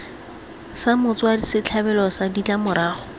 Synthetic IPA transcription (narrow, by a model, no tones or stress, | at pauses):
samʊt͡swadisɪt͡ɬʰabɛlɔsadit͡ɬʼamʊɾaːχʊ